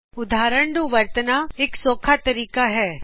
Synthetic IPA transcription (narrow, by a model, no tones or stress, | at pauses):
ʊd̪ʱaːɾəɳɖuʋɐɾt̪ənaeksoːkʰat̪ɐɾiːkaɦɛː